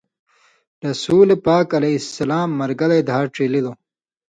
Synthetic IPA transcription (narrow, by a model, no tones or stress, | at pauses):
ɾɐsuːlepaːkɐlɐsːɐlaːmːɐɾɡɐlɐjd̪ʱaːʈ͡ʂelid̪oː